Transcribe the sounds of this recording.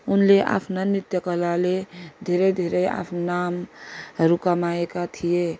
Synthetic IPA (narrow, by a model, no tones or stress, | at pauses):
unleʔa̰pʰnanit̪jəkəlaled̪ʱeɾed̪ʱeɾea̰pʰnamɾukamaekat̪ʰije